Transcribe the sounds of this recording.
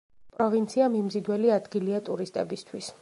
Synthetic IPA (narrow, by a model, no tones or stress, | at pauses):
pʼɾɔvint̪sʰiamimzid̪wɛliad̪ɡiliat̪ʼuɾist̪ʼɛ̰bist̪ʰwis